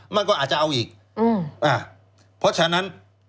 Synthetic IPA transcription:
ma˧nkɔː˥˨aː˨˩t͡ɕa˨ʔa˧wʔiː˨˩k̚ | ʔɯː˧˩ʔaː˧˩ | pʰɔ˦˥t͡ɕʰa˧na˦˥n

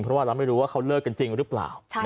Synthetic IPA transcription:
ŋpʰɾɔ˦waː˥˩ɾaː˧wma˥˩jɾuː˦waː˥˩kʰa˦˥wlɤː˥˩kːa˧nt͡ɕi˧ŋɾɯː˦˥pla̰ː˨˩wʰ

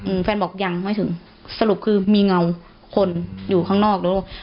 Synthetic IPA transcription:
ʔɯː˧˩fɛː˧nbɔː˨˩k̚ja˧˩ŋmaː˧˥˨t̪ʰɯ˨˩˦ŋ | sa˧lu˨˩p̚kʰɯː˧miː˧ŋa˧w | kʰo˧njuː˨˩kʰaː˧˥˩ŋnɔː˥˩k̚do˧˩

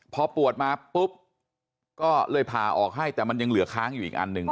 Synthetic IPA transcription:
pʰɔː˧pu˨˩ət̪̚maː˧pu˦˥p̚ | kɔː˥˩lɤː˧˩jpʰaː˧ʔɔː˨˩k̚ɦa˥˩jt̪ɛː˨˩ma˧nja˧ŋlɯ˨˩˦kʰaː˦˥ŋjuː˨˩ʔiː˨˩k̚ʔa̰˧nːɯ˧ŋ

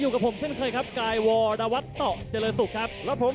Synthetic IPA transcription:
juː˨˩ka˨˩pʰo˩˦mt͡ɕʰe˥˩nkʰɤː˧jkʰa˦˥p̚kaː˧jwɔː˧ɾaː˧wa˦˥t̪ːɔ˨˩ʔt͡ɕə˧lɤː˧nsu˨˩k̚kʰa˦˥p̚lɛː˦˥wpʰo˩˦

